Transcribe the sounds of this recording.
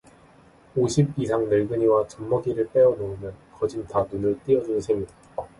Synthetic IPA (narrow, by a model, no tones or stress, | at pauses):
oɕʰib̚isʰaŋnɯɭɡɯɲiwat͡ɕʌmːʌɡiɾɯɭp͈e̞ʌnoɯmjʌnkʌd͡ʑintanunɯɭt͈iʌd͡ʑunɯnsʰemidḁ